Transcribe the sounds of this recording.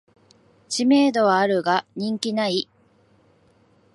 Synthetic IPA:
t͡ɕime̞ːd̪o̞βaːɾɯ̟ɡaɲ̟ĩŋkʲinai

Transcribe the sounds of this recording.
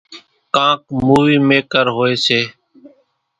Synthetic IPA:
kãːkmuːʋiːmeːkəɾɦoːeːseː

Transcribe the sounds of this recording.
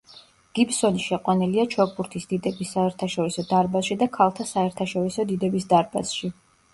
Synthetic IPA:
ɡ̥ibsɔniʃɛqʼwaniliat͡ʃʰɔk̚ʰbuɾt̪ʰisd̪̥id̪ɛbisːaɛɾt̪ʰaʃɔɾisɔd̪aɾbasʃid̪akʰalˠt̪ʰasaɛɾt̪ʰaʃɔɾisɔd̪id̪ɛbisd̪aɾba̰sʃi

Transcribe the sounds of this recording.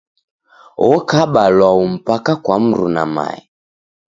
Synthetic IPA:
ɔkaɓalwaum̩pakakwam̩ɾṵna̰ma̰i

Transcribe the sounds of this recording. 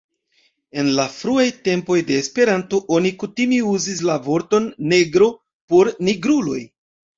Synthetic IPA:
e̞nlafɾuajte̞mpo̞jde̞ːspe̞ɾanto̞ʔo̞nikutimeuzis̬lavo̞ɾto̞nːe̞ɡɾo̞ | po̞ɾniɡɾulo̞̰j

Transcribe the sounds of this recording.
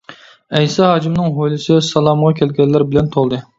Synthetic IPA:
ɛjsɑɦɑd͡ʒimnɨŋɦojlɨsɪsɑlˠɑmʁɑkʲʰɛlɡʲɛlːæɾbɪlɛnt̪ʰolˠd̪ɨ

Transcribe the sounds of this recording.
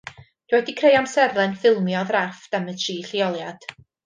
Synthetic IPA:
d̥wɛdikʰrejamsɛrlˠɛnfɪlˠmjɔðrafd̥ɛmətʰriːɬiɔlˠjad̥

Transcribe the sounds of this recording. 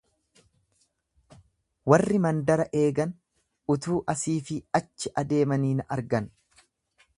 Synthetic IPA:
wɐrːɪmɐnd̪ɐɾɐʔe̞ːɡɐn | ʊt̪uːʔɐsiːfɪɐt͡ʃːɪʔɐd̪e̞ːmɐniːnɐɾɡɐn

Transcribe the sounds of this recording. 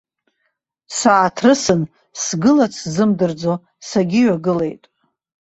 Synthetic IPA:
saːtʰrɨsɨn | sɡɨlat͡sʰzɨmdɨrd͡zo̞ | saɡʲiɥaɡɨle̞̰jtʼ

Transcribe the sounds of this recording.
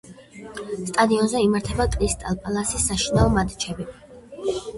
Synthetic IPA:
st̪ʼad̪iɔnzɛimaɾt̪ʰɛbakʼɾist̪ʼalˠpʼalˠasisːaʃinaɔmad̪t͡ʃʰɛbi

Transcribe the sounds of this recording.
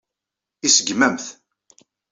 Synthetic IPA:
isəɡmæmθ

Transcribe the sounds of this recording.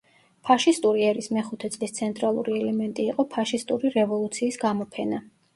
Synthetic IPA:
pʰaʃist̪ʼuɾiɛɾismɛχut̪ʰɛt̪sʼlist̪sʰɛnt̪ʼɾalˠṵɾiɛlɛmɛnt̪ʼiːqʼɔpʰaʃist̪ʼuɾiɾɛvɔlˠut̪sʰiːsɡamɔpʰɛna

